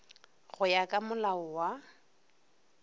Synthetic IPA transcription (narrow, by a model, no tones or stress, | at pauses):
ɣʊjakʼamʊlaʊwa